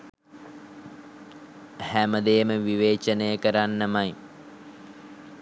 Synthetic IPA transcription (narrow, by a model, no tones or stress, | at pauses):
hæməd̪ejːməʋiʋeːt͡ʃənəjəkəɾanːəmaj